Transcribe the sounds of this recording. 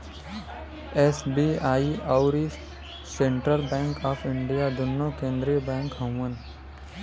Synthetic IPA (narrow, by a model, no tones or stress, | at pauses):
esbiaːiɔʊɾi | sẽɳʈɾəlbɛ̃ːŋkaːpʰɪ̃ɳɖijad̪ʊnːokẽːnd̪ɾiəbɛ̃ːŋkɦə̃mən